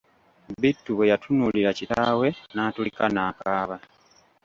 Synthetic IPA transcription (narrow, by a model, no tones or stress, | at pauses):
bitːuβejatʰunuliɾacitaːwe̞naːtulikanaːkaːβa